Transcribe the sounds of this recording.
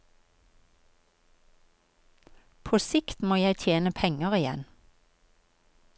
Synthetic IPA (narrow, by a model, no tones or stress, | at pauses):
pʰoːsɪkt̪moːjæɪt̪ʰjeːnəpʰɛŋəʁɪjɛ̰n